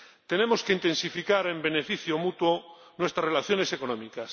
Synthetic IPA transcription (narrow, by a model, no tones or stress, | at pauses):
t̪e̞nemoskeint̪e̞nsifikaɾe̞mbe̞nefiθjomut̪wo | nwe̞st̪ɾasrelaθjo̞ne̞sekonõmikas